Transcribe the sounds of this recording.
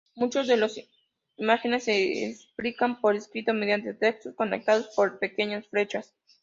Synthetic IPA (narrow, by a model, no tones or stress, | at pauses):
mut͡ʃo̞zðe̞lo̞s | imaxene̞sːeḛsplikampo̞ɾeskɾit̪o̞með̞jant̪e̞t̪e̞kst̪osko̞nḛk̚t̪aðo̞spo̞ɾpe̞ke̞ɲasfɾe̞t͡ʃas